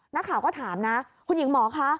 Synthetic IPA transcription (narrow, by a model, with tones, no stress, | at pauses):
na˦˥kʰaː˨˩wkɔː˥˩t̪ʰaː˩˦mna˦˥ | kʰu˧nji˨˩˦ŋmɔː˨˩˦kʰa˦˥